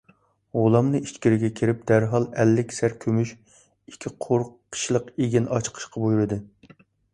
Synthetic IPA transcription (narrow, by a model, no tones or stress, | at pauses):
ʁolˠɑmnɨit͡ʃkʲiɾɪɡʲɛkʲʰiɾɪp̚d̪̥æɾɦɑlˠɛlːɪkʲsæɾkʲʰømyʃ | ikʲʰːiqʰoɾqʰə̥ʃlˠəqeɡʲinʔɑt͡ʃqʰə̥ʃqʰɑbujuɾɨd̪ɨ